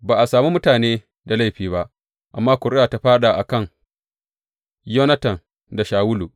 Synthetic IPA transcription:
baː˨ʔa˨saː˨mi˦mʊ˦taː˨neː˦ | da˨la˦˨jɸiː˦ba˦ʔ | ʔa˨mːaː˦kʷʊ˨ɾɪ˦aː˨ta˦ɸaː˦ɗa˨ʔa˨kɐ˦˨ŋ | jo˦nɐ˦tɐ˨n | da˨ʃaː˨wʊ˦lu˨

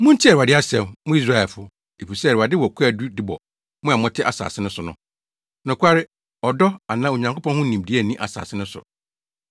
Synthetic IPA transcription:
mʊ̃˦n̩˦tʰi˦˨a˨dɪ˦a˦sɛ̃˦˨mmʊ̃˦i˦s̬ɾa˦˨ɛ˨fʊ˦ | e˨pi˨sɛ˦˨ɪ˨a˨dɪ˦wɔ˨kʷʰɛ˦˨du˦dɪ˦bɔ˨ | mʊ̃˦a˨mɔ̃˦tʰɪ˦ʔa̰˨sa̰ː˨sɪ˦nʊ̃˦sʊ˨nʊ̃˨˦ | nʊ̃˨kʰʷa˦ɾɪ˦ | ɔ˨dɔ˦a˨nã˦o˨ɲã˨ŋkʰo˦pʰɔ̃˦n˦hʊ̃˦nĩ˨mdi˨˦æ˦˨nĩ˦ʔa̰˨sa̰ː˨sɪ˦nʊ̃˦sʊ̰˨

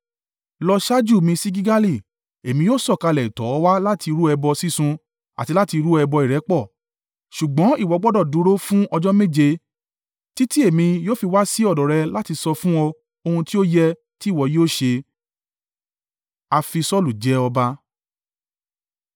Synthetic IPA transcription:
lɔ˧ʃa˦d͡ʒu˦˨mĩ˧si˦ɡi˦ɡa˦li˦˨ | e˨mĩ˧joː˦sɔ˦˨ka˧lɛ˨tɔ˨˦˧wa˦la˦ti˧ɾu˦ɛ˧bɔ˧si˦sũ˧ | a̰˨ti˧la˦ti˧ɾu˦ɛ˧bɔ˧i˨ɾɛ˨˦k͡pɔ˦˨ | ʃu˨ɡ͡bɔ̃˨˦i˦˨wɔ˨˧˦ɡ͡bɔ˦dɔ˦˨dũ˨˦ɾo˦fũ˦ʔɔ˧d͡ʒɔ˦me˦˨d͡ʒe˧ | ti˦ti˦e˦˨mĩ˧joː˦fi˧wa˦si˦ɔ˦˨dɔ˨ɾɛ˧la˦ti˧sɔ˧fũ˦ɔ˧ | o˧hũ˧ti˦o˦jɛ˦ | ti˦˨wɔ˨˦jo˦˨ʃe˧ | a˧fi˧sɔ˦lu˨d͡ʒɛ˨˦ɔ˧ba˦

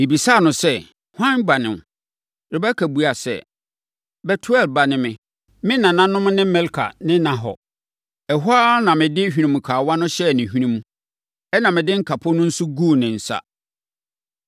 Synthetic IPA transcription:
mɪ̃˨bi˨saː˦˨nʊ̃˨sɛ˦ | hʷã˦nba˨nɪ̃˨m˨ | ɾɪ˨ba˦kʰæ˨bu˨˦a˨sɛ̰˦˨ | bɛ˨tʰu˦ɛ˦˨lba˨nɪ̃˦mɪ̃˨ | mɪ̃˦nã˨nã˦nʊ̃˦m˦nɪ̃˦mɛ̃˦lkʰa̰˨nɪ̃˦nã˨ɦɔ̰˨ | ɛ˨ɦa˦nã˨mɪ̃˨dɪ˦hᶣi˦nĩ˨mũ˨kʰaː˨wa˦nʊ̃˦ɕɛ˦˨nɪ̃˨hᶣi˦nĩ˦m̃˦ | ɛ˦nã˨mɪ̃˨dɪ̃˦ŋ̩˦kʰa˨pʰʊ˦nʊ̃˦n̩˦sʊ˦ɡu˦˨nɪ̃˨n̩˨sa̰˦

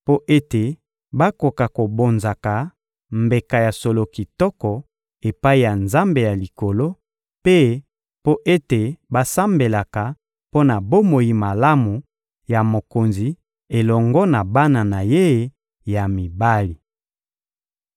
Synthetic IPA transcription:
po˦ʔe˦te˨ | ba˦ko˨ka˨ko˨bo˨nza˨ka˨ | mbe˨ka˨ja˨so˨lo˨ki˨tɔ˦kɔ˨ | e˨pa˦i˨ja˨nza˦mbe˨ja˨li˨ko˨lo˦ | pe˦ | po˦ʔe˦te˨ba˦sa˦mbe˨la˨ka˨ | po˦na˨bo˦mo˨ji˨ma˨la˦mu˨ | ja˨mo˨ko˨nzi˨ | e˨lɔ˨ŋɡɔ˦na˨ba˦na˨na˨je˦˨˦ | ja˨mi˨ba˦li˨

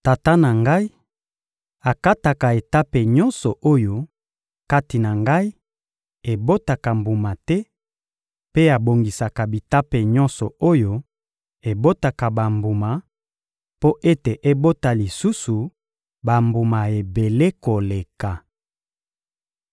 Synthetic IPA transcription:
ta˨ta˦na˨ŋɡa˦i˦ | a˨ka˦ta˨ka˨e˨ta˦pe˨ɲɔ˦nsɔ˨ʔo˦jo˦ | ka˦ti˨na˨ŋɡa˦i˦ | e˨bo˦ta˨ka˨mbu˨ma˨tɛ˦ | pe˦a˨bo˨ŋɡi˨sa˨ka˨bi˨ta˦pe˨ɲɔ˦nsɔ˨o˦jo˦ | e˨bo˦ta˨ka˨ba˨mbu˨ma˨ | po˦ʔe˦te˨ʔe˦bo˦ta˨li˨su˦su˨ | ba˨mbu˨ma˨e˨be˨le˦ko˨le˨ka˨

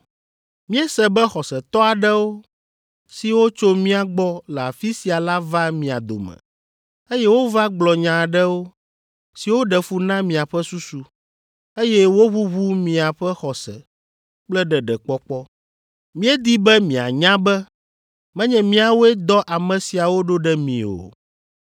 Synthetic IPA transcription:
mĩ˦ɛ˦sɛ˨bɛ˦xɔ˨sɛ˨t̪ɔ˦a˨ɖɛ˦wo˦ | si˨wo˦t͡ʃo˦mĩ˦a˨ɡ͡bɔ˦lɛ˨a˨fi˦si˨a˨la˦va˦mĩ˨a̰˨d̪o̰˨mɛ̰˨ | e˦jɛ˦wo˦va˦ɡ͡blɔ˨ɲã˨ɖɛ˦wo˦ | si˨wo˦ɖɛ˨fu˦nã˦mĩ˨a˨ɸɛ˦su˦su˦ | e˦jɛ˦wo˦βu˦βu˦mĩ˨a˨ɸɛ˦xɔ˨sɛ̰˨ | k͡plɛ˦ɖɛ˨ɖɛ˨k͡pɔ˦k͡pɔ˦ | mĩ˦ɛ˦d̪i˦bɛ˦mĩ˨a̰˨ɲã˦bɛ˦ | mɛ̃˦ɲɛ̃˦mĩ˦a˨wo˦ɛ˦d̪ɔ˦ʔa˨mɛ̃˨si˨a˨wo˦ɖo˦ɖɛ˦mḭ̃˨o̰˨

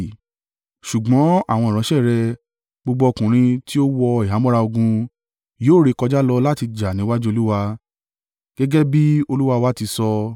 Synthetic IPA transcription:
ʃu˨ɡ͡bɔ̃˨˦a˦˨w̃ɔ̃˧i˨ɾ̃ɔ̃˨˦ʃɛ˦˨ɾɛ˧ | bo˧ɡ͡bɔ˧o˧kũ˨ɾ̃ĩ˧ti˦o˦wɔ˧i˨a˨˦mɔ̃˦ɾa˧o˧ɡũ˧ | joː˦˨ɾe˧kɔ˧d͡ʒa˦lɔ˧la˦ti˧d͡ʒa˨nĩ˨˦wa˦d͡ʒu˦o˧lu˦wa˧ | ɡ̥ɛ˦ɡɛ˦bi˦o˧lu˦wa˧wa˦ti˧sɔ˧

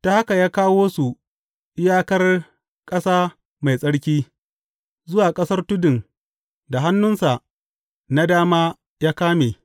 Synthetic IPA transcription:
ta˨ha˦ka˨jaː˦kaː˦woː˦su˨ | ʔɪ˦jaː˦kɐ˦r | kʼɐ˦saː˦ | ma˨jsʼɐ˦ɽkʲiː˦ | zʊ˦waː˨kʼɐ˦sɐ˦rtʊ˦dɪ˨ŋ | da˨ɦa˦nːʊ˦nsa˨ʔ | na˦daː˦maː˦ | jaː˦kaː˦meː˨

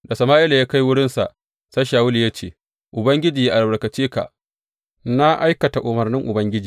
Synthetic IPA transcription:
da˨sɐ˨maː˦ʔɪ˦la˨jaː˦ka˦jwʊ˦ɽɪ˦nsa̰˨ʔ | sa˦jʃaː˨wʊ˦li˨ja˦t͡ʃeː˨ | ʔʊ˨bɐ˦ŋɡʲɪ˦d͡ʒiː˨ja˦ʔa˨lbɐ˨ɽkɐ˨t͡ʃiː˦ka̰˨ʔ | na˦ʔa˦jkɐ˨ta˨ʔʊ˨mɐ˨rnɪ˦ŋʔʊ˨bɐ˦ŋɡʲɪ˦d͡ʒiː˨

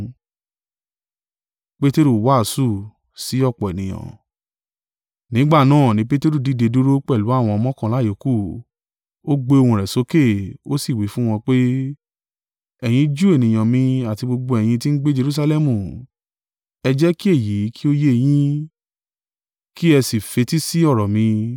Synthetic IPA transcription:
k͡pe˦te˦ɾu˦˨wa˦˨su˦˨ | si˨˦ɔ˦˨k͡pɔ˨e˨nĩ˨j̃ã̰˨ | nĩ˨˦ɡ͡ba˦˨nãː˦˨nĩ˨˦pe˦te˦ɾu˦˨di˨˦˨de˧du˦ɾo˦k͡pɛ˦˨lu˨˦a˦˨w̃ɔ̃˧ɔ˧˦mɔ̃˦kã˧˨la˨˦je˨˦ku˦˨ | o˦ɡ͡be˧˦o˧hũ˧ɾɛ˨so˨˦ke˦˨o˦si˦˨wi˨˦fũ˦w̃ɔ̃˧k͡pe˦ | ɛ˨j̃ĩ˧d͡ʒu˦e˦˨nĩ˨j̃ã˨mĩ˧a˨ti˧ɡ͡bo˧ɡ͡bo˧ɛ˨j̃ĩ˧ti˦n̩˦ɡ͡be˦d͡ʒe˧ɾu˦s̬a˧lɛ˦mũ˦˨ | ɛ˧d͡ʒɛ˦ki˦e˦˨ji˨˦ki˦o˦je˦e˧j̃ĩ˦ | ki˦ɛ˧si˨fe˧ti˦si˦ɔ˦˨ɾɔ˨mĩ˧

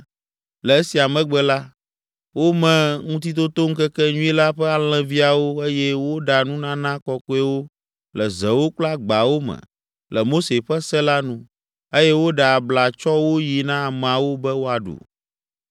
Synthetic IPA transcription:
lɛ˨e˦si˨a˨mɛ̃˦ɡ͡bɛ˨la˦ | wo˦mɛ̃˨ŋũ˦t̪̬i˦t̪̬o˦t̪o˦ŋ̩˦kɛ˦kɛ˦ɲũ˦e˦la˦ɸɛ˦a˨l̃ɛ̃˨vi˦a˨wo˦e˦jɛ˦wo˦ɖa˨nũ˦nã˦nã˦kɔ˦ko˦ɛ˦wo˦ | lɛ˨zɛ˨wo˦k͡pla˦ɡ͡ba˨wo˦mɛ̰̃˨ | lɛ˨mo˦se˨ɸɛ˦sɛ˦la˦nũ˦ | e˦jɛ˦wo˦ɖa˨bla˨t͡ʃɔ˦wo˦ji˨nã˦˨m̃˨a˨wo˦bɛ˦wo˦a˨ɖṵ˨

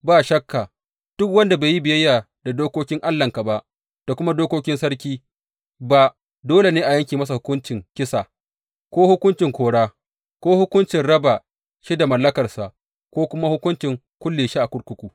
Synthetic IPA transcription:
baː˦˨ʃɐ˦kːa˨ | d̥ʊ˦kwɐ˦nda˨beː˨ji˦bɪ˨jɐ˦jːaː˨ | da˨doː˦koː˦kʲɪ˦ŋʔa˦lːɐ˨ŋka˨ba˦ʔ | d̥a˨kʷʊ˦ma˦doː˦koː˦kʲɪ˦nsɐ˦ɽkʲiː˦ | ba˨ | doː˦le˨neː˦ʔa˨jɐ˦ŋkʲiː˨mɐ˦s̬a˨hʊ˦kʊ˦nt͡ʃɪ˨ŋkʲɪ˦sa˨ | kʷoː˦hʊ˦kʷʊ˦nt͡ʃɪ˨ŋkʷoː˨ɽaː˦ | kʷoː˦hʊ˦kʷʊ˦nt͡ʃɪ˨nɽɐ˦ba˨ | ʃi˦da˨mɐ˨lːɐ˦kɐ˨rsa˨ʔ | kʷoː˦kʷʊ˦ma˦hʊ˦kʊ˦nt͡ʃɪ˨ŋ | kʷʊ˦lːeː˨ʃi˦ʔa˨kʷʊ˦ɽkʷʊ˦kʷuː˨

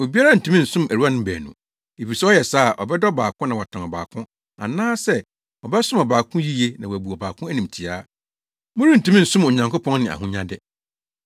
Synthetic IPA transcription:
o˨bi˦a˦ɾa˦˨n̩˨tʰĩ˦mĩ˦n̩˨sʊ̃˦mæ˨ɾu˦a˦nʊ̃˦bæ̰ː˨nṵ̃˨ | e˨fi˨sɛ˦ɔ˦jɛ˨saː˦˨ʔɔ̰˨bɛ˦dɔ˦baː˨kʰʊ̃˦nã˨wɔ˨tʰã˨nɔ˨ba̰ː˨kʰʊ̃˦ | a̰˨nãː˦sɛ˦ | ɔ˨bɛ˦sʊ̃˦mɔ˨baː˨kʰʊ̃˦ji˦je˦nã˨wæ˨bu˨ɔ˨ba̰ː˨kʰʊ̃˦æ˦nĩ˨m˨tʰi˨aː˦ | mʊ̃˦ɾi˦n̩˨tʰĩ˦mĩ˦n̩˨sʊ̃˦mo˨ɲã˨ŋko˦pʰɔ̃˦ŋnɪ̃˨a̰˨hũ˦ɲã̰˦dɛ˦

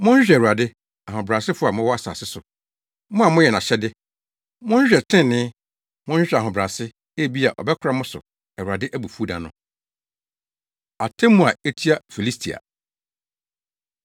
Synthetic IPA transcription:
mʊ̃˦n˦ɕᶣɛ˨ɾu˨a˨dɪ˦ | a˨ɦʊ̃˨bɾa˨sɪ˦fʊ˦a˨mʊ̃˦wɔ˦a˦sa̰ː˨sɪ˦sʊ˨ | mʊ̃˦a˨mʊ̃˦jɛ˨nã˨ɕɛ˦dɪ˦ | mʊ̃˦n˦ɕᶣɛ˨tʰɪ̃˦˨nɪ̃˦ | mʊ̃˦ɕᶣɛ˨a˨ɦʊ̃˨bɾa˨sɪ˦ | e˦˨bi˦a˨ʔɔ̰˨bɛ˦kʰʷʊ˦ɾa˦mʊ̃˦sʊ̰˨ | ɛ˨wu˨a˨dɪ˦ʔæ˦bu˨fu˦dã̰˨nʊ̃˨ | a˨tʰɛ̃˦mũ˦a˨e˦tʰi˦a˦fi˨li˦stʰi˨a̰˨

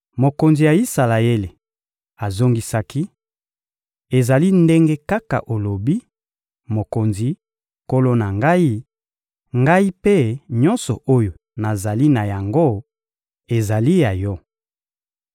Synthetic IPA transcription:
mo˨ko˨nzi˨ja˨i˦sa˨la˨e˦le˨ | a˨zo˦ŋɡi˦sa˦ki˦ | e˨za˨li˦nde˦ŋɡe˦ka˦ka̰˨ʔo˨lo˨bi˦ | mo˨ko˨nzi˨ | ko˦lo˦na˨ŋɡa˦i˦ | ŋɡa˦i˦pe˦ɲɔ˦nsɔ˨o˦jo˨ | na˨za˨li˦na˨ja˨ŋɡo˦ | e˨za˨li˦ja˨jɔ˦

